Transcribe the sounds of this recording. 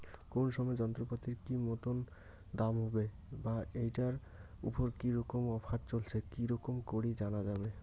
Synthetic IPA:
konʃɔmɔed͡ʑɔnt̪ɾopat̪iɾkimot̪on | d̪amɦɔbebaejʈaɾ | ṵpoɾkiɾɔkomɔbaʈt͡ɕolt͡ɕʰekiɾɔkomkoɾid͡ʑanad͡ʑabe

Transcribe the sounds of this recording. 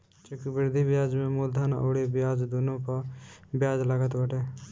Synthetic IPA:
t͡ʃɪkbɪɾd̪ibjaːd͡ʒmẽmod̪ʱaːno̰ːɽebɪjaːd͡ʒd̪ʊnõpəbɪjaːd͡ʒləɡət̪bəʈeː

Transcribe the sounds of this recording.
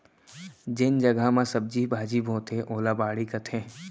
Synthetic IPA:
d͡ʒɪnd͡ʒɐɡamãsɐb̚d͡ʒibʱaːd͡ʒiːbʱoːt̪ʰeʔoːlabaːɽikɐt̪ʰẽː

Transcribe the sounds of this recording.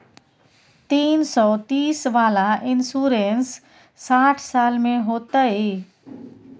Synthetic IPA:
t̪iːnsɔt̪iːsʋaːlaʔɪnsuɾensː | aːʈʰsaːlmeɦoːt̪əi

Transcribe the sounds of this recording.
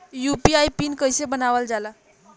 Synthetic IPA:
jupiajpinkəjsebənaʋəld͡zala

